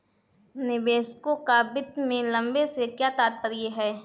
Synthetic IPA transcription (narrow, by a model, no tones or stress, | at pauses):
nɪbeːskokabɪt̪mẽlɐ̃mbesekjaːt̪aːt̪̚pəɾjeɦɛː